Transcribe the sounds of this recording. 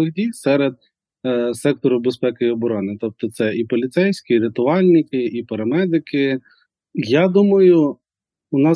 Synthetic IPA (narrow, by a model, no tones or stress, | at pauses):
ɪxdʲijsɛɾed̪̚ | sɛk̚t̪ɔɾʊbespɛkɪiɔbɔɾɔnɪt̪ɔp̚t̪ɔt̪sɛʔipɔlʲit̪sɛjsʲkɪɾɪt̪ʊɑlʲnʲɪkɪipɐɾɐmɛd̪ɪkɪ | jɑd̪umɐjʊ | ʊnɑ